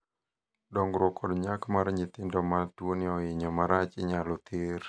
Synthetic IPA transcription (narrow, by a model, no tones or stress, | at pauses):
dɔŋɡɾɔkʰɔdɲakmaɾɲit̪ɪndɔmatwoniɔɪɲɔmaɾat͡ʃɪɲalɔt̪ʰɪr